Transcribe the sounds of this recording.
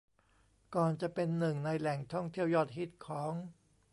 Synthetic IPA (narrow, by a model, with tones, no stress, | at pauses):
kɔː˨˩nt͡ɕa˨˩pe˧nːɯ˨˩ŋna˧jlɛ˨˩ŋt̪ʰɔ˥˩ŋt̪ʰi˥˩əwjɔː˥˩t̪̚ɦi˦˥˩t̪̚kʰɔː˩˦ŋ